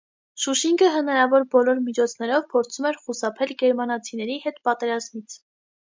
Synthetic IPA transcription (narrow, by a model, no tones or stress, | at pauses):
ʃuʃiŋɡəɦənɑɾɑvɔɾbɔlɔɾmit͡ʃʰɔt͡sʰnɛɾɔvpʰɔɾt͡sʰumɛɾχusɑpʰɛlɡɛɾmɑnɑt͡sʰinɛɾihɛt̪pɑt̪ɛɾɑzmit͡sʰ